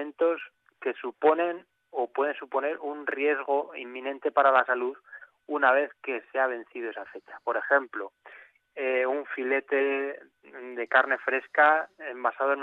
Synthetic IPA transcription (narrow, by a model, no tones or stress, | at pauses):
ẽnt̪o̞s | ke̞supo̞nẽ̞n | o̞pwe̞ð̞e̞nsupo̞ne̞ɾunrje̞zɣ̞o̞ḭmːĩnẽ̞nt̪e̞paɾalasaluð | unaβ̞e̞θke̞seaβ̞ẽ̞n̟θiðoe̞safe̞t͡ʃḁpo̞ɾe̞xe̞mplo | euɱfile̞t̪e̞ | d̪e̞kaɾne̞fɾe̞skaembasaðoen